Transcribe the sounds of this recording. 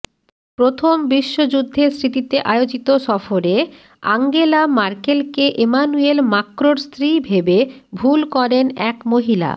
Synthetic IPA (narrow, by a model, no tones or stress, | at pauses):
pɾot̪ʰombiʃːod͡ʑud̪ʱːeɾsɾit̪it̪eʔaeod͡ʑit̪oʃɔfoɾe | a̰ŋɡelamaɾkelkeʔemanuelmakɾoɾst̪ɾibʱebebʱulkɔɾenɛkmoɦila̰